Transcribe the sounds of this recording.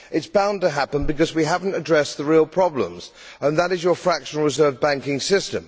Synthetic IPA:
ʔɨtsb̥ãʊ̃ntəɦæpə̃nbɨkʌzwiɦævn̩tɨdɹɛsðəɹilˠpʰɹ̥ɑblə̰̃mz̥ | ə̃nðəɾɨzjə˞fɹækʃə̃n̩l̩ˠɹɨzɜ˞vbæ̃ŋkɪ̃ŋsɪstə̰̃m

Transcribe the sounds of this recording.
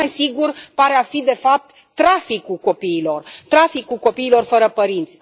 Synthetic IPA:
esiɡurpaɾeafid̪e̞fap̚t̪ːɾafikulko̞piːlo̞rt̪ɾafikulko̞piːlo̞rfəɾəpəɾint̪sʲ

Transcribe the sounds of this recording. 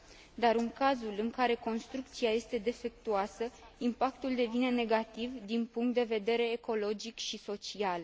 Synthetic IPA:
d̪aɾɨŋkazulɨŋkaɾe̞ko̞nst̪ɾuk̚t̪siaje̞st̪e̞d̪e̞fe̞k̚t̪uasə | impak̚t̪uld̪e̞vine̞ne̞ɡat̪ivd̪inpuŋkt̪d̪e̞ve̞d̪e̞ɾe̞ːko̞lo̞d͡ʒikʃiso̞t͡ʃial

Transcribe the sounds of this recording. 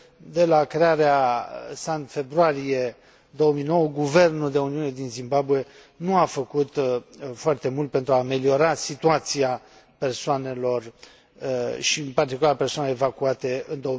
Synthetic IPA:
d̪e̞lakɾe̞aɾeasant̪fe̞bɾuaɾije | d̪o̞wəmino̞wəɡuve̞rnuld̪e̞uniune̞d̪inzimbabue̞ | nuafəkut̪foart̪e̞mult̪̚pent̪ɾuaːme̞lio̞ɾasit̪uat̪sia | pe̞rsoane̞lo̞r | ʃipart̪ikulaɾapersoaneleevakuat̪e̞ɨnd̪o

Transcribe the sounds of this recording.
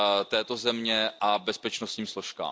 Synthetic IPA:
t̪ɛːt̪o̞zɛmɲɛʔabɛspɛt͡ʃnost̪ɲiːmslo̞ʃka̰ː

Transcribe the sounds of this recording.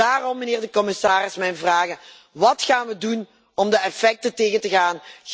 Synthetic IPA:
aːrɔmːəneːɹdəkɔmɪsaːrɪsmɛjnvraːɣə | ʋɑtχaːnʋədun | ɔmdəɛfɛk̚tənteːɣəntəɣaːn

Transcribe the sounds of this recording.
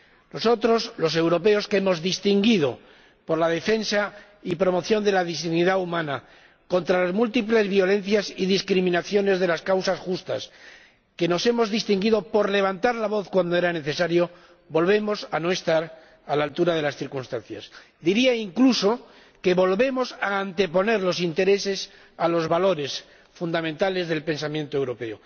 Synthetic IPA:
no̞so̞t̪ɾo̞slo̞se̞wɾo̞pe̞o̞skeemo̞zðist̪iŋɡiðo̞ | po̞ɾlaðe̞fe̞nsa | ipɾo̞mo̞θjo̞nd̪e̞laðisniðaumãna | ko̞nt̪ɾalazmult̪iple̞zβjo̞lẽ̞nθjasiðiskɾimĩnaθjo̞ne̞zðe̞laskawsasxust̪a̰s | ke̞no̞se̞mo̞zðist̪iŋɡiðo̞po̞ɾle̞β̞ant̪aɾlaβo̞θkwand̪oe̞ɾane̞θe̞saɾjo̞ | bo̞lβe̞mo̞sano̞e̞st̪aɾ | alalt̪uɾaðe̞lasθiɾkunst̪anθja̰s | d̪iɾiaiŋkluso̞ | ke̞βo̞lβe̞mo̞saːnt̪e̞po̞ne̞ɾlo̞sint̪e̞ɾe̞se̞s | alo̞zβalo̞ɾe̞s | fund̪amẽnt̪ale̞zðe̞lpe̞nsamjẽ̞nt̪oewɾo̞pe̞o

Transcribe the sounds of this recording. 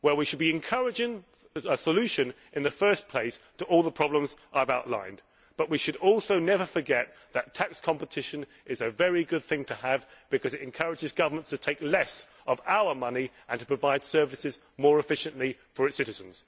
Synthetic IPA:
wə˞wiʃɨd̚biɨ̃nkʰʌɹɨd͡ʒɪ̃ŋ | əsəlʉʃɨ̃n | ʔɨ̃nðɨfɜ˞spʰl̥eɪstʰəʔɔlˠðəpʰɹ̥ɑblə̃mzʔaɪvaʊʔˡlã̰ɪ̃n | b̥ʌʔwiʃɨɾɔlˠsoʊnɛvə˞fə˞ɡɛt̪̚ | ðɨtʰækskʰɑ̃mpətʰɪʃɨ̃n | ʔɪzɨvɛɹiɡʊd̪̚θɪ̃ŋtʰəːvb̥ɨkʰʌzɨɾɨ̃nkʰʌɹɨd͡ʒɨzɡʌvə˞mə̃ntstʰɨtʰeɪklɛs | ʌvaʊə˞mʌni | ə̃ntʰə̥pʰɹ̥əvaɪd̥sɜ˞vɨsɨz | mɔɹɨfɪʃɨ̃nʔlifə˞ɨtsɪɾɨzə̃n̩z̥

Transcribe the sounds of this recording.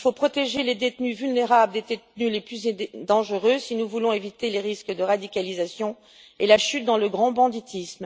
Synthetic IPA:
fopχɔt̪eʒeled̪et̪nyvylneʁabld̪ed̪et̪nyleplyzd̪ɑ̃ʒəʁøsinuvulɔ̃evit̪eleʁiskd̪əʁad̪ikʲalizasjɔ̃ | elaʃyt̪̚d̪ɑ̃ləɡʁɑ̃bɑ̃d̪it̪ʰism

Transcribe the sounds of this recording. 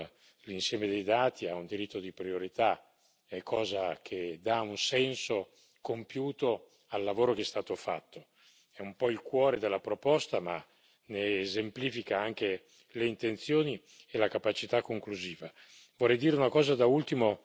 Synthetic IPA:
linsjɛːmed̪ejd̪aːt̪iaund̪iɾit̪ːod̪ipɾioɾit̪a | ɛkʰːɔːzak̟ʰed̪aunsɛnso | kompjuːt̪o | alːavoːɾokɛst̪aːt̪ofa̰t̪ʰːo | ɛumpɔilkwɔːɾed̪elːapɾopɔst̪ama | neːzempliːfikaaŋk̟e | leint̪ent̪sjoːni | elakapat͡ʃit̪akːoŋkluziːva | vorːɛjd̪iːɾeunakɔːzad̪ault̪imo

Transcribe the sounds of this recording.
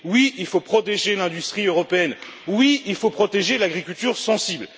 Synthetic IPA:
wiilfopχɔt̪eʒelɛ̃d̪yst̪χiøʁɔpeɛn | wiilfopχɔt̪eʒelaɡʁikʲylt̪yʁsɑ̃sibl

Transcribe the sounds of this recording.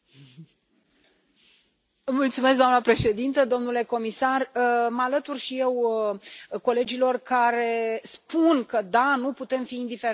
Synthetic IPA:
əmult̪sumes̬k̚d̪amnəpɾe̞ʃe̞d̪int̪əd̪o̞mnule̞ko̞misarəməalət̪urʃije̞w | ko̞le̞d͡ʒilo̞rkaɾe̞spunkəd̪anuput̪e̞mfiːnd̪ifeɾ

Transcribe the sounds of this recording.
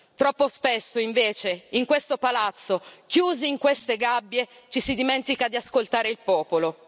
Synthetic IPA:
t̪ɾɔpːospesːoiɱveːt͡ʃeiŋkwest̪opalat̪sːok̟juːziiŋkwest̪eɡabːje | t͡ʃisid̪imɛnt̪ikad̪iaskolt̪aːɾeilpɔːpolo

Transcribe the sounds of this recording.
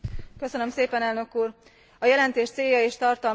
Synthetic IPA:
kø̞sønømseːpɛnɛlnø̞kuːr | ɒjɛlɛnt̪eːʃt̪seːjːɒeːʃt̪ɒrt̪ɒl

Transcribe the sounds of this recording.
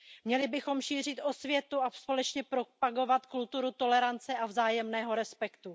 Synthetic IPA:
mɲɛlɪbɪxo̞mʃiːr̝ɪt̪ʔo̞svjɛt̪uaspo̞lɛt͡ʃɲɛpɾopaɡo̞vat̪kult̪uɾut̪o̞lɛɾant͡sɛʔavzaːjɛmnɛːɦo̞ɾɛspɛkt̪u

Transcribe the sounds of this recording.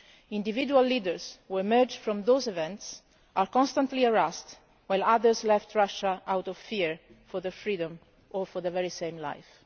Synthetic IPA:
ĩnd̪ividualːidəɹzhuɛmɜɹd͡ʒfɹɔ̃md̪oːzɛvɛ̃nt̪s | ʔaɹkɔ̃nst̪ãnt̪liəɹɛst̪ | wajlaðəɹzlɛft̪ɹaʃaʔawt̪ɔv̥fiɹ | fɔɹðəfɹiːdɔ̃m | ɔɹfɔɹðəvɛɹisẽj̃mla̰jf

